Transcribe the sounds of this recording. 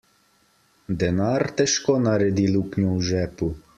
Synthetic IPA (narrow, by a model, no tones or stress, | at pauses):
d̪ɛnart̪ɛʃkɔnɐɾɛd̪ilˠuknʲɔwʒɛpu